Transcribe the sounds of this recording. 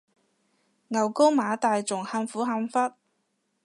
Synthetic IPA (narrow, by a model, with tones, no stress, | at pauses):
ŋɐ˨˩wko˥wmaː˨˧˥t̪aː˨jt͡sʊ˨˩ŋhaː˧mfuː˨˥ɦa˧mfɐ˥t̚